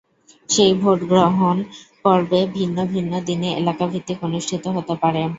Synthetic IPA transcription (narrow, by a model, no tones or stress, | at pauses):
ʃejbʱoʈɡɾoɦonpɔɾbebʱinːobʱinːod̪ineʔḛlakabʱit̪ːikonuʃʈʰit̪oɦot̪epaɾe